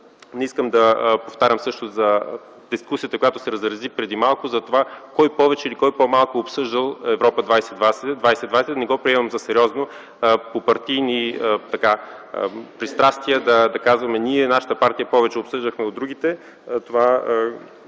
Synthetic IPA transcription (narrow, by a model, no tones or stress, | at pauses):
nɛiskəmd̪ɐpoft̪aɾʲəmsɤʃt̪ʊzɐ | d̪iskusijət̪əkojat̪ʊ̥sɛɾɐzɾɐzipɾɛd̪imalˠkʊzɐt̪ovakɔjpɔvɛt͡ʃɛilikɔjpomalˠkoːpsɤʒd̪əlˠɛvɾɔpəd̪vajsɛd̪vasɛd̪vajsɛd̪vajsɛd̪nɛɡɔpɾiɛmɐmzɐsɛɾʲɔzno | popɐɾt̪ijniət̪ɐka | pɾist̪ɾast̪iəd̪ɐd̪ɐkazvɐmɛniɛnaʃə̥t̪əpaɾt̪ijəpɔvɛt͡ʃɛopsɤʒd̪əxmɛod̪ːɾuɡit̪ɛ | t̪ova